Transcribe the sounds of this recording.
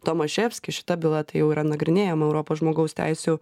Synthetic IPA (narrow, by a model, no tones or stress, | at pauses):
t̪oːmɐʃʲeːfʲsʲkʲɪʃʲɪ̥t̪ɐbʲɪlˠɐt̪ɐɪjɛʊiːɾʔɐnɐɡɾʲɪnʲeːjɛmɐɛʊɾoːpoːsʒmoːɡɐʊst̪ʲæ̰ɪsʲuː